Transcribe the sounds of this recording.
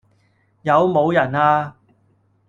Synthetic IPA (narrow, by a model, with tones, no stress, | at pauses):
jɐ˨˧wmo˨˧wjɐ˨˩naː˧